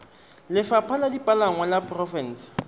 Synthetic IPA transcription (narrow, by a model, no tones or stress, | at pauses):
lɪfapʰaladipʼalaŋwalapʰʼrɔfɛn̩s